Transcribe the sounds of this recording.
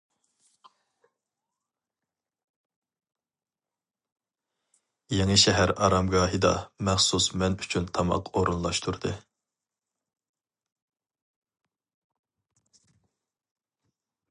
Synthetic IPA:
jeŋɨʃɛɦæɾɑɾɑmɡɑːɦɨd̪ɑ̰mæχsusmɛnyt͡ʃʰynt̪ʰɑmɑ̰qʰoɾunlˠɑʃt̪ʰuɾd̪ɨ

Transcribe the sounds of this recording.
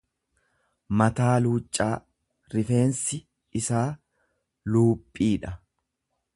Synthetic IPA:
mɐt̪aːluːt͡ʃʼːaː | ɾɪfe̞ːnsɪ | ɪsaː | luːpʼːiːᶑɐ

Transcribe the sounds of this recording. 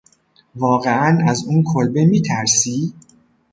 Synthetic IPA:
vɒːɣe̞ænæzuːnkʰolbemiːt̪ʰæɾsiː

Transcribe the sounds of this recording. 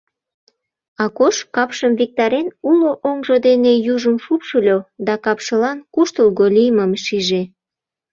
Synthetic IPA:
ɑkoʃkɑpʃəmvik̚t̪ɑɾenuloʔoŋʒod̪enejuʒəmfupʃulʲod̪ɑkɑpʃəlɑnkuʃt̪əlɣolʲijməmʃiʒe

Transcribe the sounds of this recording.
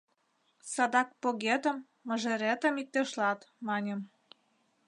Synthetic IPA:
sɑd̪ɑk̚poɣet̪ə̆mː | ə̆ʒĕɾet̪ə̆mik̚t̪ːĕʃlɑt̪mɑnʲə̆m

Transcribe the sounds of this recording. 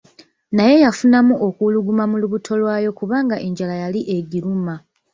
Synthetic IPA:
naje̞jafunamuʔo̞kuluɡumamuluβutʰo̞lwaːjo̞kuβaːŋɡaʔe̞ɲɟalajaliʔe̞ɡiɾuma

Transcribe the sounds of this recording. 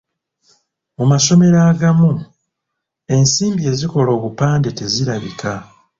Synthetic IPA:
mumaso̞me̞ɾaːɡamu | e̞nsiːmbie̞ːziko̞lo̞ːβupaːnde̞te̞ziɾaβikʰa

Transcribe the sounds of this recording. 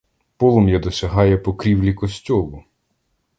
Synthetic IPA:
pɔlˠɔmjad̪ɔsʲɐɦɑjɛpɔkɾʲiwlʲikɔsʲtʲɔlˠʊ

